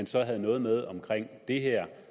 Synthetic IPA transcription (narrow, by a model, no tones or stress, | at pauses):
ænsɒ̽ɦæð̞̩ˠnɔ̽ːð̞̩ˠmeð̞ˠɒ̽mkʰʁeŋ̰d̥e̝ɦeɐ̰